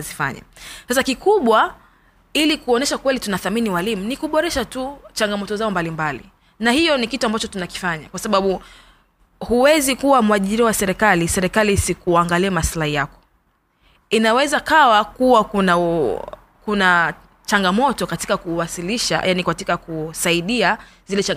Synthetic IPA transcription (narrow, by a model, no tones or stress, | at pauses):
zifa̰ɲa̰sasakikuɓwa | ilikuɔnɛʃakwɛlitunaθaminiwalimunikuɓɔɾɛʃatut͡ʃaŋɡamɔtɔzaɔmbalimbalḭ | nahijɔnikituambat͡ʃɔtunaki̥faɲakwasaɓaɓu | huwɛzikuwamuaʄiɾiɔwasɛɾɛkalisɛɾɛkalisikuaŋɡaliamaslahijakɔ̥ | inawɛzakawakuwakuna | kuna | t͡ʃaŋɡamɔtɔkati̥kakuwasiliʃa̰janikatikakusaiɗia | zilɛt͡ʃaŋ